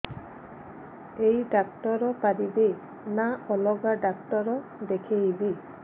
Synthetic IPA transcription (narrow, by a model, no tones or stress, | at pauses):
ejɖak̚ʈɔɾɔpaɾibe | naɔlɔɡaɖakʈɔɾɔd̪ekʰeɦibi